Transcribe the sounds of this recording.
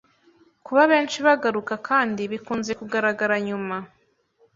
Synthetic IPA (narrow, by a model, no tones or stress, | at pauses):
kuβaβe̞ːnt͡ʃiβaɡaɾukakʰaːndiβikuːnze̞kuɡaɾaɡaɾaɲuma